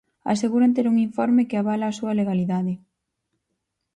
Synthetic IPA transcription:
a̰seɣuɾant̪eɾuŋiɱfɔɾmɪkeaβ̞alaːsuɐleɣaliðaðɪ

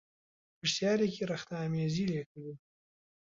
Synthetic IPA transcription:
pəʂsjɑːɾekeɾaxt̪ɑmezileklu

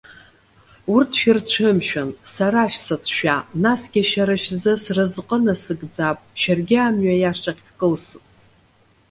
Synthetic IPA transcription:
urtʰʃᶣɪrt͡ʃʷʰɨmʃᶣansaɾaʃᶣsɨt͡sʰʃᶣanasɡʲaʃaɾaʃᶣzɨsrɨzqʼənasɨɡd͡zapʼʃarɡʲɪamɥajaʂʼaχʲkʼɨlsɨpʼ

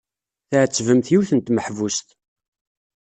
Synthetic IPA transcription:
θəʕət͡sːvəmθjiwθənt̪məħvust̪

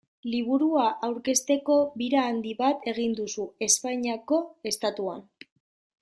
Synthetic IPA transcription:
liβ̞uɾuaʔawɾke̞st̪e̞ko̞βiɾaːnd̪iβat̪e̞ɣind̪usue̞spaɲako̞e̞st̪at̪ua̰n

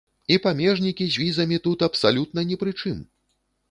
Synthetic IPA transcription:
ipamʲɛʐnʲikʲizʲvʲizɐmʲit̪ut̪ɐpsalʲut̪nɐnʲɛpɾɨt͡ʂɨm

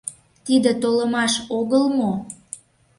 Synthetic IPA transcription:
t̪id̪ĕt̪oləmɑʃoɣəlmo

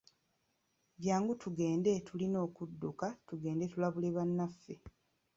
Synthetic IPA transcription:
βjaːŋɡutʰuɡe̞ːnde̞tʰulino̞ːkudːukatuɡe̞ːnde̞tulaβule̞βanːafːe̞

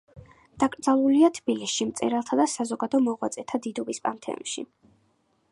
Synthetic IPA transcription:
d̪̥akʼɾd̪zalˠuliat̪ʰb̥ilisʃimt̪sʼɛ̰ɾalˠt̪ʰad̪asazɔɡad̪ɔmɔʁwat̪sʼɛt̪ʰad̪id̪ɔbispʼant̪ʰɛ̰ṵmʃḭ

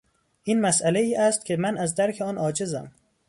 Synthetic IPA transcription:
ʔiːnmæsʔæleiːʔæst̪kʰʲemænʔæzd̪æɾkʰeɒːnʔɒːd͡ʒezæ̰m

